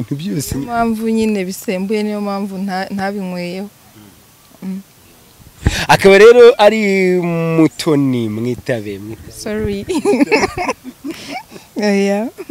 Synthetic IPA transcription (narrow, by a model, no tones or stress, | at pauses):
iːn̥hubjoːsemaːɱvuɲine̞βiseːmbuje̞nijomaːɱvunn̥haβiŋweːjeho | akaβaɾe̞ːɾo̞ʔaɾimutʰo̞nimŋiːtaβemesɔɾi | ja